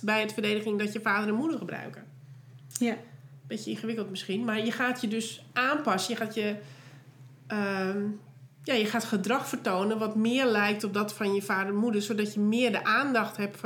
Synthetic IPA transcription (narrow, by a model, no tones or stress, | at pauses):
bɛjətfərdejdəɣɪŋdɔtjəfaːdərɛnmudərxəbrœ̰ɥkə | bɪtəɪ̃nxəʋɪkəlˠtmɪsχinmarjəxaːtʰjədøsaːnpɑsəjəxaːtjə | ə | jajəxaːtχədrɔxfərtoːnənʋɔtmɪːərlɛjk̚tɔp̚dɔtfɔnjəfaːdərnmudərsodɔtjəmɪːrdəʔaːndɑxtɦɛp̚